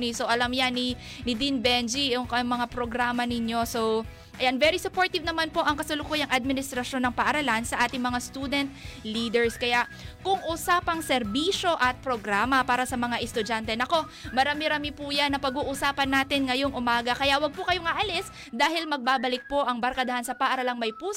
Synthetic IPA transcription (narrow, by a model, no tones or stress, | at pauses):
nisoʔɐlamjanːi | nɪd̪inbɛnd͡ʒijʊŋkɐŋmɐŋapɾo̞ɡɾaːmɐnɪɲːo̞so | ʔɐjanvɛɾisʊpo̞ɹt̪ɪvnɐmanpo̞ʔɐŋkɐsʊlʊkuːjɐŋʔɐd̪̚mɪnɪst̪ɾɐʃo̞nːɐŋpɐʔɐɾɐlansɐʔaːt̪ɪŋmɐŋast̪ud̪ɛnt̪̚liːd̪ɛɹskɐjaʔkʊŋʔusaːpɐŋsɛɾbiːʃo̞ʔɐt̪̚pɾoɡɾaːmɐpaːɾɐsɐmɐŋaʔɛst̪ʊd͡ʒant̪ɛnɐko̞ | mɐɾaːmɪɾaːmɪpuːjanːɐpɐɡuːʔʊsaːpɐnːaːt̪ɪnŋɐjo̞ŋʔʊmaːɡɐkɐjawɐɡ̚pʊkɐjoŋaːʔɐlɪs | d̪aːhɪlmɐɡ̚baːbɐlɪk̚po̞ʔɐŋbɐɾkɐd̪ɐhansɐpɐʔɐɾɐlaŋmɐjpuː